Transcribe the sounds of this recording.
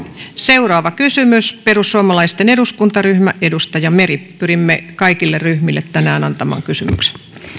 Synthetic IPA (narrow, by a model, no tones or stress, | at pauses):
seurɑːʋɑkysymysperusːuɑmɑlɑist̪eneduskunt̪ɑryhmæʔʔedust̪ɑjɑmeripyɾimːekɑikilːerryhmilːet̪t̪ænæːnɑnt̪ɑmɑ̰ːŋkysymy̰kse̥n